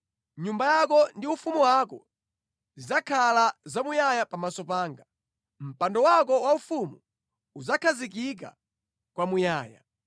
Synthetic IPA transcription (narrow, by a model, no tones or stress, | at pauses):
ɲumbajakɔndiufumuwakɔ | zizakʰalazamujajapamasɔpaːŋɡa | m̩pandɔwakɔwaufumu | uzakʰazik̬ik̬a̰ | kwamujaːja̰